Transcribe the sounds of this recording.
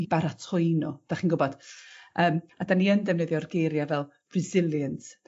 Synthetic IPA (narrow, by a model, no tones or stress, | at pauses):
ibaɾatʰʊɨnɔd̥aχiːnɡʊbɔd̥əːmadaniəndɛvnɛðjɔrɡejɾjavɛlˠ | b̥rɪzɪlˠjənt